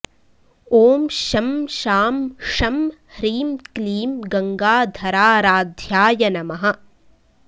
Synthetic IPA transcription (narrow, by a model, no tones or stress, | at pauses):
oːmʃɐmʃaːmʂɐmhɾiːmkliːmɡɐŋɡaːd̪ʱɐɾaːɾaːd̪ʱjaːjɐnɐmɐɦɐ̆